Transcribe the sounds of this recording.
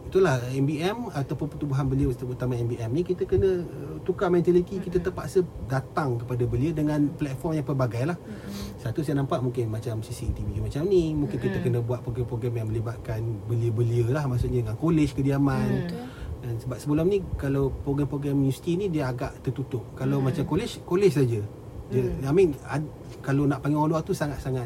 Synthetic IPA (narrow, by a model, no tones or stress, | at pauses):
it̪ulahɛmbiɛmat̪awpʊnpərt̪ubuɦanbəliəət̪amaɛmbiɛmnikit̪akənəət̪ukamɛ̃nt̪alit̪ikit̪ət̪əpaʔsədat̪aŋkəpadabəliədəŋanplɛt̪̚fɔrmjaŋpərbaɡajlah | sat̪usajanampaʔmũŋkɪnmat͡ʃamsisiɛnt̪iviumat͡ʃamnimũŋkɪnkit̪əkənəbuat̪̚pɾoɡɛmpɾoɡɾɛmjaŋmə̃libat̪̚kanbəliəbəliəlahmaʔsʊʔɲədəŋankolɛt͡ʃkədiaman | dansəbap̚səbəlʊmnikalawpɾoɡɾɛmpɾoɡɾɛmusi̥t̪inidiəaɡaʔt̪ərt̪ut̪ʊʔkalamat͡ʃamkolɛt͡ʃkolɛt͡ʃsad͡ʒə | diəamɪna | kalonaʔpaŋeolwaʔt̪usaŋat̪̚saŋat̪